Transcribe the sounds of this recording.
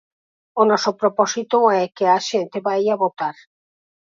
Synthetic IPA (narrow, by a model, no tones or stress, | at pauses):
onɔsopɾopɔsit̪oɛkeaʃent̪eβajaβot̪aɾ